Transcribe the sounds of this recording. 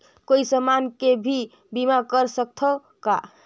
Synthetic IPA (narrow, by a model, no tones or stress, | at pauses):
koisəmankebʱi | bimakəɾsək̚t̪ʰə | ka̰